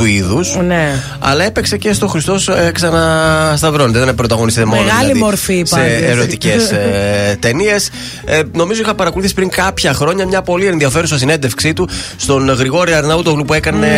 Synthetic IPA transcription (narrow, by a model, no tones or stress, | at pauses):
uiðusne | ɐ̰lɐe̞pe̞kse̞ce̞st̪oxɾist̪o̞seksɐnɐst̪ɐvɾo̞net̪eðenepɾo̞t̪ɐɣonist̪it̪emonɣɐlɐliðmoɾfisseːɾo̞t̪icest̪e̞nie̞s | no̞mizo̞ixɐpɐɾɐkoluθisi̥pɾiŋkɐpçɐxɾo̞ɲɐmɲɐpo̞lienðiɐfe̞ɾusɐsine̞nd̪e̞fksit̪ust̪o̞nɣɾiɣo̞ɾiɐɾnɐut̪oɣlupue̞kɐne̞